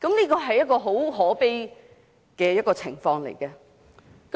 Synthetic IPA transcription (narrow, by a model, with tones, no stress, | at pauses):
kɐ˨˥mniː˥kɔː˧ɦɐ˨jːɐ˥t̚kːɔː˧ɦo˨˥wɦɔː˨˥pe˥ | kɛː˧jɐ˥t̚kɔː˧t͡sʰɪ˨˩ŋfɔː˧ŋlḛ˨˩jkɛː˧ | k